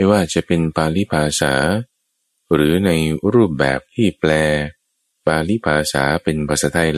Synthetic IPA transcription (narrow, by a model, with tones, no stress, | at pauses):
jwaː˥˩t͡ɕa˨˩ʔpe˧npʰaː˧li˦˥pʰaː˧sa̰ː˩˦ | ɾɯː˩˦na˧jɾuː˥˩p̚bɛ̰ː˨˩p̚t̪ʰiː˥˩plɛː˧ | paː˧li˦˥˩pʰaː˧sa̰ː˩˦pe˧npʰa˨˩t̪̚saː˦˥t̪ʰa˧j